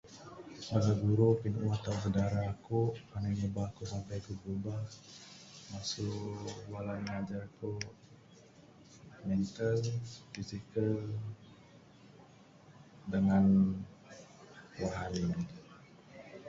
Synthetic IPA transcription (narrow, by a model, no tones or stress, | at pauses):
maɡaɡuɾupinuʔwat̪auŋs̬ədaɾakuʔpanaɲəbakuʔsampajkububah | masuʔʔwalanəŋad͡ʒarkoʔ | mɛnt̪əlfizikəl | dəŋan | waɦali